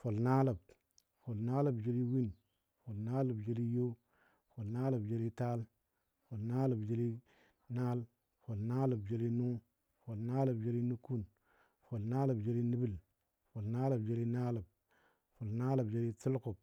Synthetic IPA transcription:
fo˨lna˦la˨b | fo˨lna˦la˨bd͡ʒe˦li˦wi˦n | fo˨lna˦la˨bd͡ʒe˦li˦jo˦ | fo˨lna˦la˨bd͡ʒe˦ɾi˦ta˦l | fo˨lna˦la˨bd͡ʒe˦li˦ | na˦l | fo˨lna˦la˨bd͡ʒe˦li˦nu˦ | fo˨lna˦la˨bd͡ʒe˦ɾi˦nu˦ku˦n | fo˨lna˦la˨bd͡ʒe˦ɾi˦ni˦bi˦l | fo˨lna˦la˨bd͡ʒe˦ɾi˦na˦la˨b̚ | fo˨lna˦la˨bd͡ʒe˦ɾi˦t͡si˦lko˨b̚

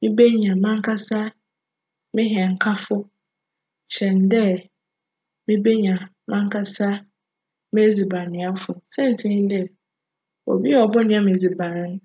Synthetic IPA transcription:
mɪ̃˦be˦ɲã˨mã˦ŋ˦kʰa˦sa˦ | mɪ̃˦ɦi˨ɛ˨ŋ̩˨kʰa˦fʊ˦ | ɕɛ˨n˦dɛ˦ | mɪ̃˦be˦ɲã˨ | mã˦ŋ̩˦kʰa˦sa˦ | mɛ̃˦d͡zi˨bã˨nɪ̃˨a˦fʊ˨sɛ̃˦˨n̩˨tʰĩ˦dɛ˦˨ | o̰˨bi˦ɛ˦ɔ˨bʊ˦nɪ̃˦ã˦mẽ˨d͡zi˨bã˨ñ˦n˦

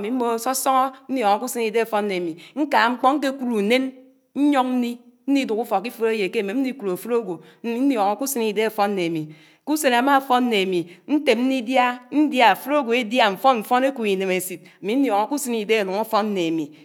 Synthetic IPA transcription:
mi˨m̩˦mo˦sɔ˦sɔ˦ŋɔ˦n̩˦njɔ˨ŋɔ˨ku˦si˦ni˨de˦a˨fɔ˦n̩˦ne˨a˨mi˨ŋ̩˦ka˨ŋ͡m̩˦k͡pɔ˦ŋ̩˦k̬e˦ku˦ɾu˨ne˦n | ɲ̩˦ɲɔ˦ŋn̩˦ni˦n̩˦ni˦du˨ku˦fɔ˨ki˦fo˦ɾe˦je˨ke˦˨me˨m̩˦i˦ku˨o˨fu˦ɾo˦ɡʷo˨˦ | i˦n̩˦jɔ˨ŋɔ˨ku˦si˦ni˨de˦a˨fɔ˦n̩˦e˨a˨mi˨ | ku˦se˨na˨ma˦˨fɔ˦n̩˦ne˨a˨mi˨n̩˦te˨m̚n̩˦ni˦dja˦n̩˦dja˦a˨fu˦ɾo˦ɡo˨e˦dja˦ɱ̩˨fɔ˦nɱ̩˨fɔ˦ne˦ku˨i˨ne˨me˨si˨t̚a˨mi˨˦n̩˦jɔ˨ŋo˨ku˦si˦ni˨de˦a˨nu˨ŋa˦fɔ˦n̩˦ne˨a˨mi˨

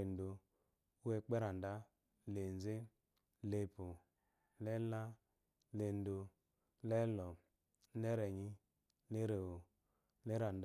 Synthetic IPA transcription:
e˨n˦do˧ | u˦e˧k͡pɛ˦ɾa˨n˨da˦ | le˨n˦ze˦ | le˧pu˨ | lɛ˦la˦ | le˧n˦do˧ | lɛ˦lɔ˨˦ | nɛ˦ɾɛ˨ɲi˦ | le˦ɾe˨wo˨ | lɛ˦ɾa˨n˨d

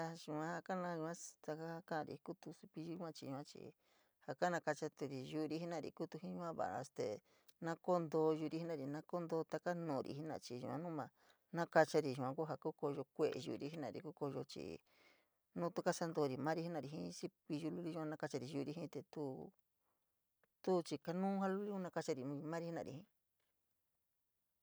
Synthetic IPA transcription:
a˧ʒũ˧ã˧˦ha˧ka˦nã˧˦˧ʒũ˧ã˦t̪a˧ka˦ha˧kã˦˧ɾḭ˨˧ku˦t̪u˧si˧pi˧ʒu˧˦u˦ã˦t͡ʃi˧ũ˧ã˦t͡ʃḭ˧˨ | ha˨ka˦nã˧ka˧t͡ʃa˧t̪u˧ɾi˨ʒu˧ɾi˧hi˦nã˦˧˨ɾḭ˨ku˦t̪u˧hĩ˦ɲũ˧ã˦βa̰˨a̰˧st̪e˨ | nã˦ko˦nd̪o˧ʒu˧ɾi˧hi˦nã˧˨ɾi˨nã˦ko˦nd̪o˧˦t̪a˧ka˦nũː˨˧ɾḭ˧hi˦nã̰˧t͡ʃi˧ʒṵ̃˧˨ã̰˦nũ˦mã˧ | nã˦ka˧t͡ʃa˧ɾi˧ʒũ˨ã˧ku˦ɦa˧ku˦ko˧ʒo˧kʷe˧ʔḛ˧˨ʒṵ˧˨˧ɾi˧˦ɦi˦nã̰˧˨ɾḭ˨ku˦ko˧jo˧t͡ʃḭ˨ | nũ˦t̪u˧ka˦sa˦nd̪o˧ɾi˨mã˦ɾi˧˦i˦nã˧˨ɾi˧ɦĩ˦si˦ki˧ju˧lu˦li˧˦ʒu˧ã˧nã˦ka˧t͡ʃa˧ɾi˨˧ʒu˧ɾi˧ɦĩ˦t̪e˨t̪u˦ | t̪u˦t͡ʃi˧ka˧nũː˦ɦã˦lu˦li˦u˦nã˧ka˧t͡ʃa˧ɾi˨˧mã˦ɾi˧hi˦nã̰˧˨ɾḭ˨hĩ˧˦

